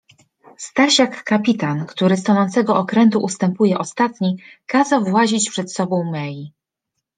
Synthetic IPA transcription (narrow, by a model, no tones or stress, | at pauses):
st̪aɕakːapʲit̪ankt̪uɾɘst̪ɔnɔnt̪sɛɡɔɔkɾɛnt̪uʔust̪ɛmpujɛʔɔst̪at̪ɲikazawvwaʑit͡ɕpʂɛt̪sɔbɔ̃w̃mɛji